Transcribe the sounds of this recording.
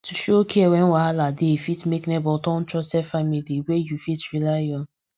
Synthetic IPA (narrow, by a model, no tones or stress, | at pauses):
tuʃokʰeɛwɛ̃nwaaladefitmeknɛbɔtɔ̃n̩tɹɔsɛfamiliwejufitɹilajɔ̃n